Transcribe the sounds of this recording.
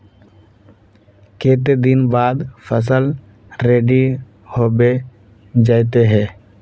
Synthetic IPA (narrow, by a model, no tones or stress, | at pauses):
keːt̪̬ed̪ɪnbaːd̪fʰəs̬əl | ɾeːɖi | hoːbe | d͡ʒaːjt̪eɦɛ̃ː